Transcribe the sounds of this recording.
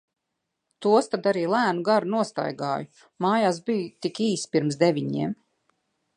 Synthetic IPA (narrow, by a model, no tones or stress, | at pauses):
t̪uɔst̪ad̪aɾiːlˠæːnuɡaɾunuɔst̪a̰jɡaːju | maːjaːsbijut̪ikiːspiɾmsd̪evʲiɲiɛm